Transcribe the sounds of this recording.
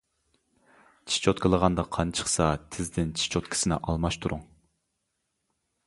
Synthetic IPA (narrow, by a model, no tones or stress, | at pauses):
t͡ʃʰi̥t͡ʃʰot̪kʰəlˠəʁɑnd̪ɑqʰɑnt͡ʃʰə̥χsɑt̪ʰɪzd̪ɪnt͡ʃʰi̥t͡ʃʰot̪kʰʲi̥sɪnɪ̰ʔɑlˠmɑʃt̪ʰuɾʔuŋ